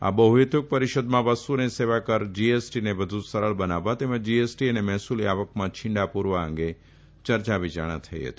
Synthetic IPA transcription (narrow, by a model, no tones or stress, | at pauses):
a̰bəɦuɦet̪ʊk̚pəɾiʃəd̪mãʋəsuneseʋakəɾd͡ʒiesʈinebəd̪ʱũsəɾəɭbənaʋat̪eməd͡ʒiesʈiənemɛɦsuliaʋəkmãt͡ʃʰɪ̃ɳɖapuɾʋaə̰̃ŋɡe | t͡ʃəɾt͡ʃaʋit͡ʃa̰ɽ̃ã̰t̪ʰəj̰ɦə̰t̪i